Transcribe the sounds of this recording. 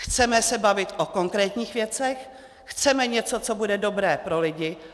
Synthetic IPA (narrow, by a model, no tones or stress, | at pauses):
xt͡sɛmɛsɛbavɪt̪ʔoko̞ŋkɾɛːt̪ɲiːxvjɛt͡sɛx | xt͡sɛmɛɲɛt͡so̞t͡so̞budɛdo̞bɾɛːpɾo̞lɪɟɪ